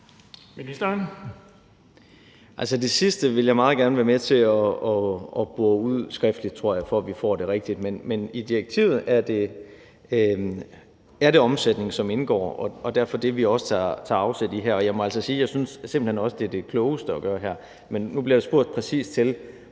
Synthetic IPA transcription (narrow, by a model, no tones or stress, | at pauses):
minisd̥ɐn | ʔælsəd̥e̝sisd̥əʋe̝ljɑ̈ɪmɑ̈ːð̞̩ˠɡ̥æɐnəʋæɐmet͡sʰe̝ɒɒɒ̽b̥uɐuð̰ˠsɡ̥ʁɛfd̥lid̥̚t͡sʰʁo̝ɐ̰jɑ̈ɪfɒ̽æʋifɒ̰ːd̥e̝ʁɛɡ̥̚d̥id̥menmenid̥ieɡ̥̚t͡sʰḭʊ̰ð̩ˠæɐd̥e̝ | æɐɾe̝ɒ̽msed̥ne̝ŋsɒ̽me̝nɡ̥ɒ̰ːɒ̽ɒd̥æɐfɒ̽d̥e̝ʋiɒ̽sə̥t͡sʰɑt͡sʰɑ̈ɑ̈ʊsed̥iɦæɐ̰ɒ̽jɑ̈ɪmɒ̽æl̰səsiːjɑ̈ɪsynsːemb̥l̩henɒ̽səd̥e̝ɐd̥e̝kʰlɔʊəsd̥əɒɡ̥ɶːɐɦæɐ̰ | menːub̥liɐɾ̥esb̥o̝ɐ̰d̥pʰʁɛsḭːsd̥t͡sʰe̝l